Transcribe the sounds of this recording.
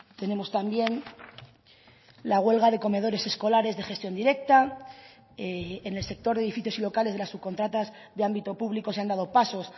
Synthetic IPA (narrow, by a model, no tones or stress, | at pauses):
t̪e̞ne̞mo̞st̪ambje̞n | laɣ̞we̞lɣaðe̞ko̞me̞ð̞o̞ɾe̞se̞sko̞laɾe̞zðe̞xe̞st̪jo̞nd̪iɾe̞k̚t̪a | eene̞lse̞k̚t̪o̞ɾðeðifiθjo̞silo̞kale̞zðelasːuβko̞nt̪ɾat̪az | ðeambit̪o̞puβliko̞seand̪að̞o̞paso̞s